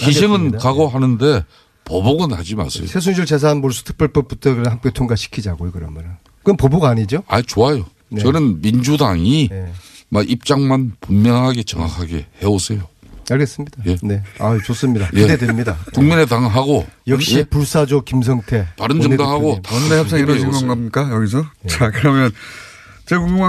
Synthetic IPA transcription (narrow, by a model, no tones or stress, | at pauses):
kiɕ̬ʰiŋɯnkaɡoɦanɯnde̞ | poboɡɯna̰d͡ʑima̰ɭsʰejosʰes̬ʰuŋɕʰiɭt͡ɕes̬ʰanmoɭsʰu̥tʰɯ̥k̚p͈eɭp͈ʌp̚p͈utʰʌɡɾɯɦamk͈etʰoŋɡaɕʰi̥kʰid͡ʑaɡojokɯɾʌnmaɾɯ | kɯnpʌboɡaɲid͡ʑoa̰t͡ɕoajo | nt͡ɕʌnɯnmind͡ʑudaŋi | maʔip̚t͡ɕ͈aŋmanpummjʌŋɦaɡe̞t͡ɕʌŋakʰaɡḛhe̞osʰejoaɭɡe̞s͈ɯmɲidajene̞a̰t͡ɕos͈ɯmɲidaniededemɲidakuŋminetaŋɦaɡojʌk̚ɕ͈ipuɭs͈ad͡ʑokims̬ʰʌŋtʰe̞taɾɯnd͡ʑʌŋdaɦaɡotaejs͈ʰaɾʌsʰʌŋɡaŋɡamik͈ajʌɡis̬ʰʌt͡ɕakɯɾʌmjʌn | t͡ɕekuŋi